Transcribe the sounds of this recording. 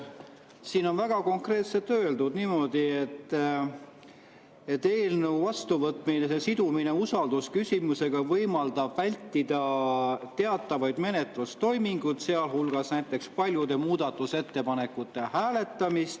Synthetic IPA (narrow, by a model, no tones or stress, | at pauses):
siːno̞nvæɡ̥ɑko̞ŋkre̞ːt̪se̞t̪ːø̞ːeld̪ud̪̥niːmo̞d̪̥ie̞t̪ː | et̪ːe̞ːlneuvɑst̪uvɤt̪ːˑminese̞sid̪̥umine̞usɑld̪̥uskysʲimuse̞ɡ̥ɑvɤjmɑld̪ɑb̥vælʲt̪ːid̪ɑt̪e̞ɑt̪ːˑɑvɑjd̪̥me̞ne̞t̪ˑlust̪o̞jmiŋɡut̪se̞ɑlhulɡ̥ɑsnæjt̪ːˑe̞kspɑlʲjud̪e̞muːd̪̥ɑt̪ːˑuse̞t̪ːe̞pɑne̞kːˑut̪ːˑe̞hæːle̞t̪ːˑɑmist̪